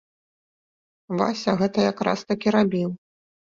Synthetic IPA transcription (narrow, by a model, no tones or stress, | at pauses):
va̰sʲɐɣɛt̪ɐjakɾa̰st̪akʲiɾabʲiw